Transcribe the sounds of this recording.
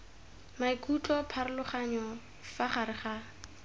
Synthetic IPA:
maikʰʼutʼɔpʰaɾɪlʊχaɲɔ | faχaɾɪχa

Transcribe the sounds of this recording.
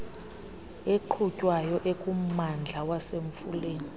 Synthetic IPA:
eǃʰucʼwajɔʔekʼum̩mand͡ɮʱawaseɱfuleːni

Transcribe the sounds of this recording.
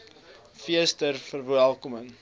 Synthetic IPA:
fiəstərfərvælˠkɔməŋ

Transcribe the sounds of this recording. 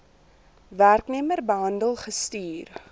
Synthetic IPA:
værknimərbəɦɐndəlˠχəstyːr

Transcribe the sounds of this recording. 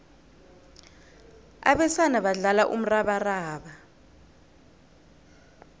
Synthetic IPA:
a̰ɓɛsanaɓaɮalaʔṵm̩raɓaraːɓa

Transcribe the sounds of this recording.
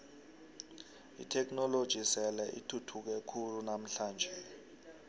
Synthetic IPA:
ḭtʰɛk̬nɔlod̥ʒ̥ʱisɛlɛʔḭtʰutʰuk̬ɛkʰulunam̩ɬaːnd͡ʒʱɛ

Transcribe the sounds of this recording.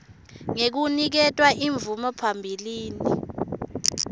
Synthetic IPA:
ŋek̬unik̬ɛtʼwaʔiɱvumɔpʰambʱiliːni

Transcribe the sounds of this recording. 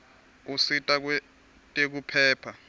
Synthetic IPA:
usitʼak̬wɛ | tʼek̬upʰɛːpʰa

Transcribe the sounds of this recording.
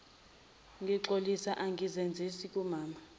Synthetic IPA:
ŋɡʱiǁolisaʔaŋʱizend͡zʱisikʼumaːma

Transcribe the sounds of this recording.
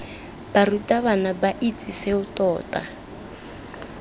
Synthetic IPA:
b̥arutʼaβanabaʔit͡sʼiseutʼɔːtʼa̰

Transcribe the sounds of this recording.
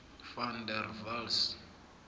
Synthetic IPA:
fandɛrvals

